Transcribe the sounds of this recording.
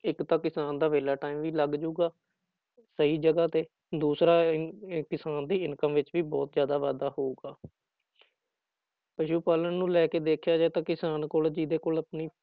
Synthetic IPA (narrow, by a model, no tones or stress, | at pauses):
ɪkt̪ãːkɪsaːnd̪aːʋeːlaːʈaːimʋiːləɡd͡ʒuːɡaː | səɦiːd͡ʒəɡaːt̪eː | d̪uːsɾaːkɪsaːnd̪iːɪnkəmʋɪt͡ʃʋiːbɔːt̪zjaːd̪aːʋaːd̪aːhoːuɡaː | pəʃuːpaːlənnũːlɛːkeːd̪eːkʰjaːd͡ʒaːt̪ãːkɪsaːnkoːld͡ʒid̪eːkoːləpniː